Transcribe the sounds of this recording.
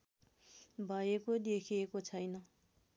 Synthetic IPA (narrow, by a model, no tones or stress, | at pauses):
bʱʌjekod̪ekʰiekot͡sʰʌjnʌ